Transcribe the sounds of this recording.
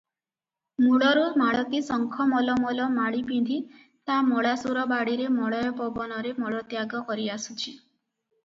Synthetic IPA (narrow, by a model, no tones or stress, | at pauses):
muɽɔɾumaɭɔk̪isɔŋkʰɔmɔlɔmɔlɔmaɽipind̪ʱi | t̪amɔɽasuɾɔbaɽiɾemɔɽɔjɔpɔbɔnɔɾemɔɭɔt̪jaɡɔkɔɾiasut͡ʃʰi